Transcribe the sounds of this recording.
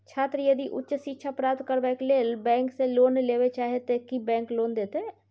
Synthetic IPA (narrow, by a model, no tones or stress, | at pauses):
t͡ʃʰaːt̪ɾəjəd̪iʔʊ̰tːt͡ʃsitːʃʰapɾaːp̚t̪kəɾbɛːkleːlbɛ̃ːŋkseloːnleːwet͡ʃaːɦet̪ekibɛ̃ːŋkloːnd̪eːt̪e